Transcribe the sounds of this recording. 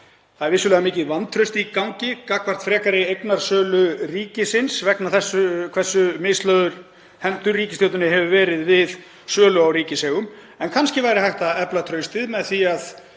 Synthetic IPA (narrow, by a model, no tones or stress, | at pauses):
θaðɛɾvɪsːʏlɛːɣamɪːcɪðvant̪ʰɾœɥst̪ɪikawɲcɪkakvaɾ̥t̪fɾɛːkaɾɪejknaɾ̥sœːlʏriːcɪsɪnsvɛknaθɛsːʏkʰvɛsːʏmɪːst̪lœðʏɾ̥ | hɛmt̪ʏɾːiːcɪst̪owt̪ʏnɪɦɛvʏvɛːɾɪðvɪð | sœːlʏawɾiːcɪsɛːɣʏm | ɛnkʰanscɪvajɾɪhajht̪aɛplat̪ʰɾœɥst̪ɪðmɛðθiað